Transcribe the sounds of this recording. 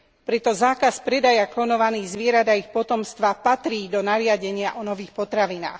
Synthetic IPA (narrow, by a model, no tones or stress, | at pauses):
pɾɛt̪ɔzaːkaspɾɛd̪ajaklɔnɔʋaniːɣzʋɪɛɾad̪aixpɔt̪ɔmst̪ʋapat̪ɾiːd̪ɔnaɾɪaɟɛɲɪaʔɔnɔʋiːxpɔt̪ɾaʋina̰ːx